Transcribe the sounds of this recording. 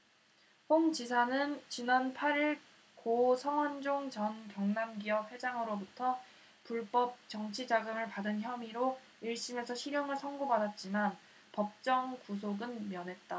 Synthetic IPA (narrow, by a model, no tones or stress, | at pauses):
ɸoŋt͡ɕisʰanɯnt͡ɕinanpʰaɾiɭ | kosʰʌŋwʌnd͡ʑoŋt͡ɕʌnkjʌŋnamɡiʌp̚we̞d͡ʑaŋɯɾobutʰʌ | puɭp͈ʌp̚t͡ɕʌŋt͡ɕʰid͡ʑaɡɯmɯɭpadɯnçjʌmiɾo | iɭɕ͈imesʰʌɕʰiɾjʌŋɯɭsʰʌŋɡobadat̚t͡ɕ͈iman | pʌp̚t͡ɕ͈ʌŋkus̬ʰoɡɯnmjʌnɦe̞t̚t͈a